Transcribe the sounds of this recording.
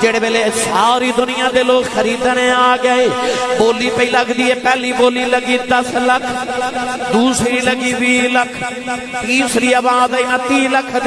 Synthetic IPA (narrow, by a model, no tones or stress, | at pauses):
d͡ʒeːɽeːbeːleːsaːɾiːd̪ʊnɪjãːd̪eːloːkxəɾiːd̪ənẽaːɡəeːboːliːpəiːləɡd̪iːɦɛːpɛːliːboːliːləɡiːd̪əsləkʰ | d̪uːsɾiːləɡiːʋiːləkʰ | t̪iːsɾiːəbãːd̪əinãt̪iːlək̪ʰ